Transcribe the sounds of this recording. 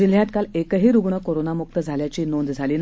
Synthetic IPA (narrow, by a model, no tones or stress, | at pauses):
d͡ʑil̤jat̪kalekəɦiːɾuɡɳəkoɾonamuk̚t̪əd͡zʱaljat͡ɕiːnond̪d͡zʱaliːn